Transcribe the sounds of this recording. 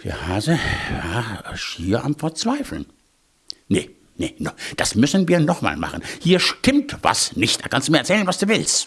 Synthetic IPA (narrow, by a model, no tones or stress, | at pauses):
d̥ḭːɐhaːzəvaːʃiːɐʔamfɛɐt͡sv̥aɪfl̩n | nə̰ | nənod̥asmʏsn̩viːɐnɔχma̰ːlma̰χən̩hiːɐʃtɪmtva̰snɪçtd̥aːkʰanstdumiːɐɛɐt͡sɛːlənvasd̥uːvɪlst